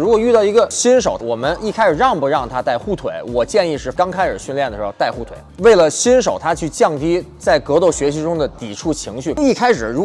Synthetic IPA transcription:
ɻu˧˥kwɔ˨˩y˥˧t̪ɑ˥˩ʊi˧˥ɡə˧ɕi˥nʂ̬o˨˩ʊwɔ˨˩mə˦ni˥˩kʰa˥ɪʂɻ̩˨˩ɻɑ˥˩ŋpu˨˩ɻɑ˥˩ŋt̪ʰa˥t̪a˥˧ɪxu˥˩t̪ʰwḛ˨˩ɪwɔ˨˩t͡ɕjɛ˥˧ni˥˧ʂɻ̩˥˩kɑ˥ŋkʰa˥ɪə̰˞˨˩ɕy˥˧nljɛ˥˩nd̪ə˩ʂɻ̩˧˥xt̪a˥˧ɪxu˥˩t̪ʰwe˨˩˦ɪwe˥˩ɪlə˩ɕi˥nʂo˨˩ʊt̪ʰa˥t͡ɕʰy˥˧t͡ɕjɑ˥˩ŋt̪i˥t͡sa˥˩ɪkɤ˧˥t̪o˥˩ʊɕɥɛ˧˥ɕi˧˥ʈ͡ʂʊ˥ŋd̪ə˨t̪i˨˩ʈ͡ʂʰu˥˩t͡ɕʰi˧˥ŋɕy˥˩i˥˩kʰa˥ɪʂɻ̩˨˩ɻu˧˥

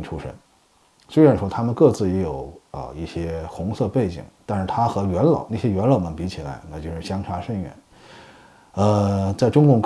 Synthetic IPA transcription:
ʈ͡ʂʰu˥ʂə̰˥n | swe˥ɪɻa˧˥nʂwɔ˥t̪ʰa˥mə˨nkɤ˥˧t͡sɹ̩˥˩jɛ˧˥jo˨˩ʊə̰˧i˥˩ɕjɛ˥xʊ˧˥ŋsɤ˥˧pe˥˩ɪt͡ɕḭ˨˩˦ŋt̪a˥˧nʂɻ̩˥˩t̪ʰa˥xɤ˧˥ɥɛ˧˥nlɑ̰˨˩˦ʊna˥˩ɕjɛ˥ɥɛ˧˥nlɑ˨˩nə˨˩pi˧˥t͡ɕʰi˨˩la̰˧˥ɪna˥˩t͡ɕjo˥˧ʊʂɻ̩˥˩ɕjɑ˥ŋʈ͡ʂʰa˧˥ʂə˥˧nɥɛ̰˥˩˦n | ə˧t͡sa˥˩ɪʈ͡ʂʊ˥ŋkʊ˥˧ŋ

